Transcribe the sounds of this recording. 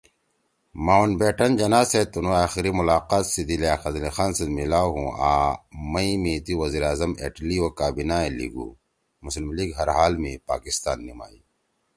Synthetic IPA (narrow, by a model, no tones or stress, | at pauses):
maːunbeːʈɐnd͡ʑɐnaːset̪unõaːxiɾimʊlaːqaːt̪sid̪ileaːxɐzlixaːnsemilaːɦũaːmɐimẽt̪iwɐziːɾaːzɐmḛʈliwokaːbinaːẽlḭɡṵː | mʊslmliːɡɦɐɾɦaːlmẽpa̰ːkist̪a̰ːnːima̰ːiː